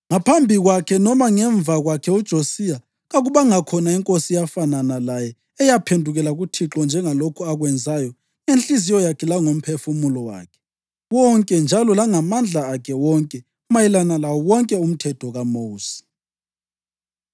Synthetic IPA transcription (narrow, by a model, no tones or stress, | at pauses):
ŋapʰambʱiɣwakʰɛnɔmaŋɛɱvʱaɣwakʰɛud̥ʒ̥ʱosija | ɣaɣuβaŋakʰɔnaiŋkʼosijafananalajɛ | ɛjapʰendʱuɣɛlaɣutʰiǁɔnd͡ʒʱɛŋalokʰuaɣwɛnd͡zʱajɔ | enɬʼizijɔjakʰɛlaŋom̩pʰefumulɔwa̰ːkʰɛ̥ | wɔŋkʼɛnd͡ʒʱalɔlaŋamand͡ɮʱaːkʰɛwɔŋkʼɛ | majilanalawɔwɔŋkʼɛum̩tʰɛtʰɔɣamoːsi̥